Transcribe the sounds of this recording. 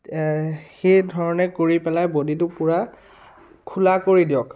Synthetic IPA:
xejdʱɔɹɔnɛkoɹipɛlajboditʊpʊɹa | kʰulakoɹidiɔk

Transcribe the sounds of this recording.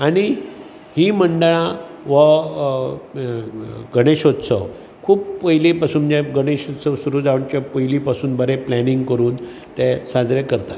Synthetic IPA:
aɽ̃i | himəɳɖəɭãʋə | ɡʱəɽ̃eɕot̪səʋ | kʰuːppəjlepasuːnd͡ʑeɡʱəɽ̃eɕot̪səʋsuɾuːd͡zaʋɳt͡ɕapəjlipasuːnbəɾeplɛniŋɡkəɾuːn | t̪ɛsad͡zɾekəɾt̪ḁt̪

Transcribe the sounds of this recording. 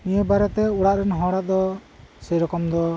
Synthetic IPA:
nijəbaɾɛt̪ɛuɽaʔɾɛnɦɔ̃ɽad̪ɔ | sɛjɾɔkɔmd̪ɔ

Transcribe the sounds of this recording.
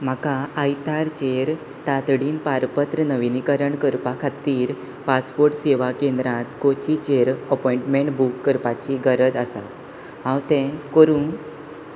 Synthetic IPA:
m̤akaːjt̪aɾt͡ɕeɾ | t̪at̪ɽiːnpaɾpət̪ɾənəʋinikəɾəɳkəɾpakʰat̪iːɾ | paspoɾʈseʋakẽnd̪ɾãt̪kot͡ɕit͡ɕeɾəpɔiɳʈmẽɳʈbukːəɾpat͡ɕiɡəɾəd͡zasa̰t̪ | ɦãwt̪ɛ̃koɾũn

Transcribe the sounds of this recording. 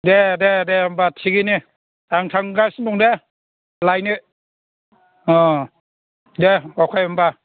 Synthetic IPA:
dededeambatʰiɡinɯ | aŋtʰaŋɡasnuŋde | lajnɯ | ɔ | deɔkʰajamba

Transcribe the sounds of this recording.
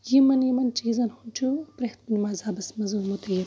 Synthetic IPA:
jimɐnjimɐnt͡ʃiːzɐnhunʲt͡ʃʰuɐpɾɐht̪̚nimaːzaːbɐsmɐzumut̪ɐji

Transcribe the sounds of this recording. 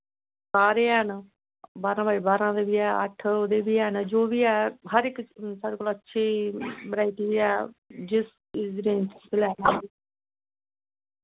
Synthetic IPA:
saːɾeːn | baːɾãːbaːiːbaːɾãːd̪eːbiːɛːə̰ʈʰod̪eːbiːɛnd͡ʒoːʋiːɛːɦəɾɪksaɖəkolətːʃʰiːbəɾaːiʈ̪iːʋiːɛːd͡ʒɪs | ɪzɖẽːnssəlɛːnãːiː

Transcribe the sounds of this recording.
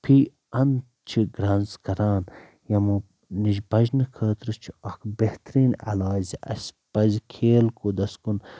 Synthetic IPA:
pʰiː | ɐn | t͡ʃʰiɡɾɐːnzkɐɾaːn | jɐmu | niʒbɐʒnɨkʰəːt̪ɾɨt͡ʃʰi̥ɐkʰbeht̪ɾiːnɐ̰laːziʔɐ̰sʲpɐzikʰeːlkod̪ɐskun

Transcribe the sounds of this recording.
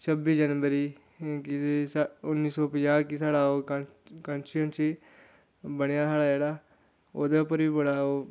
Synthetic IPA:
t͡ʃʰəbiːd͡ʒənʋəɾiː | kɪesʊnːiːsɔːpəjãːkɪsaːɽaːoːkkənt͡ʃiənt͡ʃi | bəɽejaːsaːɽaːd͡ʒeːɽaː | oːd̪eːʊpːəɾʋiːbəɽaːoː

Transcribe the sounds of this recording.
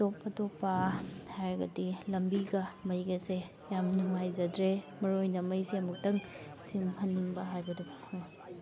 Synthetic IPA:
topːɐtopːɐhajɾɡɐ̰dilɐmbiɡɐmɐjɡɐse | jamnuŋajzɐdɾe | mɐɾojnɐmɐjsemuk̚tɐŋ | simhɐnːiŋbɐɦajbɐdu

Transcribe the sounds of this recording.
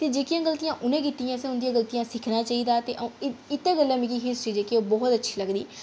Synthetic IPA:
t̪eːd͡ʒeːkɪjãːɡəlt̪ijãːʔʊnẽːkɪt̪ːijãːsɛ̃ːʊnd̪iãːɡəlt̪ijãːsɪkʰnaːt͡ʃaːiːd̪aːt̪eːʔə̃ɪt̪ːeːɡəlːãːmĩkiɦɪsʈɾiːd͡ʒeːkeoːbɔːt̪ətːʃʰiːləɡd̪ḭː

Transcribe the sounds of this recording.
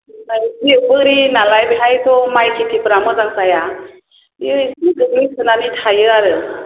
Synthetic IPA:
najbiwbɯɾinalajbeɦajt̪ʰɔmajkʰitʰipɾamɯzaŋsaja | iisniɡɯɡlujkʰɯnanitʰajɯaɾɯ

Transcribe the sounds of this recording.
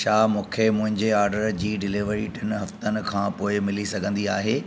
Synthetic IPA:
ʃaːmũːkʰemʊ̃ɦɪ̃ɲd͡ʑeaːɾɖəɾd͡ʑiːɖɪlɪʋəɾiʈɪnɦɐft̪ənɪ̆kʰãːpoːɪmɪlisɐɡʱə̃nd̪iaːɦeː

